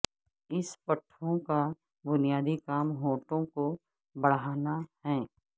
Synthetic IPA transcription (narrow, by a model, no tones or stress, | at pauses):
ɪspɐʈʰːõka | bʊnijaːd̪ikaːmɦoːʈõko | bɐɽ̤aːnahɛː